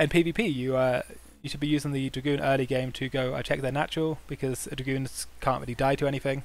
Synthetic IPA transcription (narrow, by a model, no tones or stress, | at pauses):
ɨ̃npʰiviːpʰiːjəʌ | jɨʃəd̚bijʉːzɪ̃ŋðɨdɹəɡʉ̃ːnʔɜːliɡẽɪ̃mtʰɨɡoʊa̰ɪt͡ʃʰɛk̚ðənat͡ʃəɹəlˠb̥ɪkʰʌzədɹəɡʉ̃nz̥kʰɑ̃ːˑnʔɹɪlidaɪtʰəɛñiθɪ̃ŋ